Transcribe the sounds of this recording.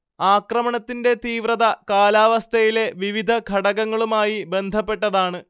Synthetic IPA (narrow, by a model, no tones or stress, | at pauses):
aːkrɐmɐɳɐt̪ːinde̞t̪iːʋrɐðɐkaːlaːʋɐst̪ʰɐjile̞ʋiʋid̪ʱɐkʰɐɽɐɣɐŋːɐɭumaːjibe̞nd̪ʱɐpːe̞ʈːɐðaːɳɨ